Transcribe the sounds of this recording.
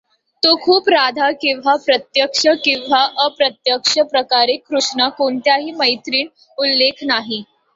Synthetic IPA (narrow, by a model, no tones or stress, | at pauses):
t̪okʰuːpɾad̪ʱakĩw̃ʋ̤apɾət̪jəkʂəkĩw̃ʋaʔəpɾət̪jəkʂəpɾəkaɾekʰːɾuʂɳakoɳt̪jaɦiːməjt̪ɾiːɳ | ulːekʰnaɦi